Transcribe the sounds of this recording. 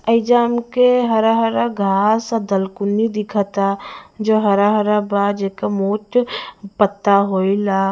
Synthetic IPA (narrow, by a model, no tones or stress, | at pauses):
əɪd͡ʒaːmkeɦəɾaɦəɾəɡʱasəd̪əlkunid̪ikʰət̪ad͡ʒoɦəɾaɦəɾəbad͡ʒekamoʈpət̪ːaɦoila